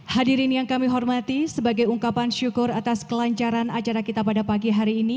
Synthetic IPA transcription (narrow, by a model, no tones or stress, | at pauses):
hadiɾɪnjaŋkamiɦɔrmat̪isəbaɡajuŋkapanʃukʊrat̪askəlaɲt͡ʃaɾanat͡ʃaɾakit̪apadapaɡiɦaɾiːni